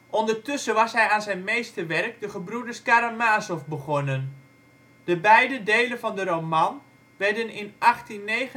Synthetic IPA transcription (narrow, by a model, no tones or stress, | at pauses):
ʔɔndərtʏsəʋɑsɦɛjaːnzɛjnmejstəʋɛrk̚dəχəbrudəɹskaɾamaːsofbəχɔnən | d̥əbɛjdədejlənvɑndəɾowmɑn | ʋɛɹdənɪnʔɑχtinːejχə